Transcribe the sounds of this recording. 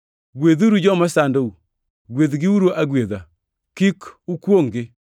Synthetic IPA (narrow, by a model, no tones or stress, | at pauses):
ɡwed̪uɾud͡ʒɔmasandou | ɡwed̪ɡɪuɾoʔaɡwed̪a | kikukwoŋɡɪ